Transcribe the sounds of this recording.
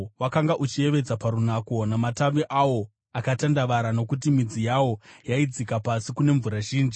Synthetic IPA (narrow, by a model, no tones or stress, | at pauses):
wakaŋɡaʔut͡ʃie̞ʋe̞d͡zapaɾunako̞namataʋiʔawo̞ | akatandaʋaɾano̞kut̬imid͡zijawojaid͡zikapasikune̞ɱvuɾaʒiːnd͡ʒi